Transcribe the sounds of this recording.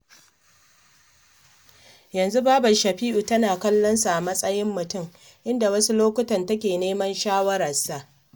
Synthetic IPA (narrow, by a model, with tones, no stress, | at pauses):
jɐ˨nzu˦baː˦bɐ˨ʃɐ˨ɸiː˦ʔu˨tɐ˦naː˨kɐ˦lːɔ˦nsa˨ʔa˨mɐ˦sʼɐ˦jɪ˦mːʊ˨tʊ˦m | ʔɪ˦nda˨wɐ˦su˦loː˦kʷʊ˦tɐ˨ntɐ˦kʲeː˨neː˦mɐ˦nʃaː˦wɐ˦ɾɐ˨sa˨ʔ